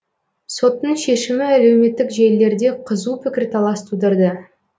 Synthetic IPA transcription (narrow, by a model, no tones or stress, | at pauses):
so̞t̪ːəɴʃe̞ʃɪmɪæle̞wme̞t̪ːɪkʒelːe̞ɾd̪e̞qʰəzupʰɪkʲɪɾt̪ʰɑlˠɑst̪ud̪əɾd̪ə